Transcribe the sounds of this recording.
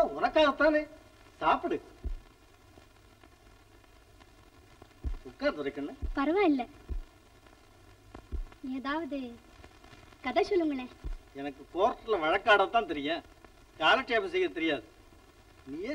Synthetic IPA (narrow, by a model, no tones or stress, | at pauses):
ʊnɐkːaːɣɐt̪ːãːneː | saːpɯɽɯ | ʊkːaːɾt̪ɐɾɐkːɐnːɯpɐɾɐʋãːɪlːɛ | eːðaːʋɐðɯ | kɐðɐsɔlːɯŋɡɐɭeɛnɐkːɯkoːɾʈːɪlɐʋɐɻɐkːaːɽɐt̪ːãːnt̪̬ɛɾɪjɛ̃ː | kaːlɐʈːeːpɐs̬ɛjɐɐt̪ɛɾɪjaːðɯ | niːeː